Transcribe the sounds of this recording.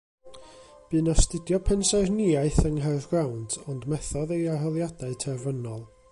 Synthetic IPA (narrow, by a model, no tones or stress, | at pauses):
b̥ɨːnɔstɪdjɔpʰɛnsaɨrniaɨθəŋɦɛrðɡrawndɔndmɛθɔðejaɦɔlˠjadaɨtʰɛrvənɔlˠ